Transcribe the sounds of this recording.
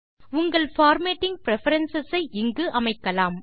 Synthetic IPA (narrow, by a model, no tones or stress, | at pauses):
ʊŋɡɐɭfaːɾmeːʈːɪŋ̚pɪɾɛfɐɾɐnsɐsɐɪʔɪŋɡɯʔɐmɐɪkːɐlaːm